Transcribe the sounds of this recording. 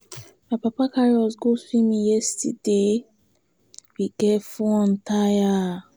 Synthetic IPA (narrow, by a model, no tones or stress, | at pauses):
mapapakaɹiɔsɡosimĩjɛstide | wiɡɛfɔɔ̃ntʰaja